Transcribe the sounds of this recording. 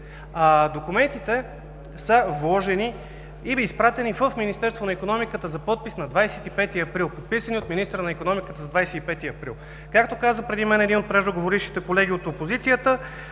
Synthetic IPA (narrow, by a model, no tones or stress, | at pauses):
ad̪okumɛnt̪it̪ɛ | səvlˠɔʒɛni | iːspɾat̪ɛnivəfminist̪ɛɾst̪vonɐikonɔmikət̪əzɐpɔt̪̚pisnɐd̪vajsɛt̪ipɛt̪iɐpɾilˠpot̪̚pisəniot̪minist̪ɾənɐikonɔmikət̪əzɐd̪vajsɛipɛt̪iɐpɾilˠ | kakt̪okazəpɾɛd̪imɛnɛd̪inot̪̚pɾɛʒoɡovoɾiʃt̪i̥t̪ɛkolɛɡʲiot̪opozit̪sijət̪ə